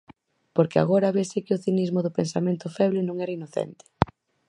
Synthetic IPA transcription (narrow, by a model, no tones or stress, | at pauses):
poɾkɪa̰ɣoɾaβesɪkɪʊθinizmʊðʊpensamẽnt̪ʊfɛβlɪnõŋɛɾɐinoθɛ̰nt̪ɪ̥